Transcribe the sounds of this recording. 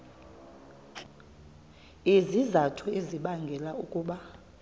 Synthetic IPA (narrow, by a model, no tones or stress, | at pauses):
izizatʰueziɓaŋɡʱɛlaukʼuːɓa